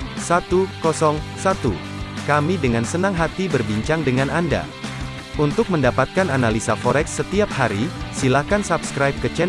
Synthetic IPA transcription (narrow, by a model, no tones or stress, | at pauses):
sat̪ukɔsɔŋsat̪ṵ | kamidəŋansənaŋɦat̪ibərbiɲt͡ʃaŋdəŋanʔanda̰ | unt̪ʊk̚məndapat̪̚kananalisafɔɾɛksːət̪iap̚haɾisilakansapskɾajp̚kət͡ʃɛ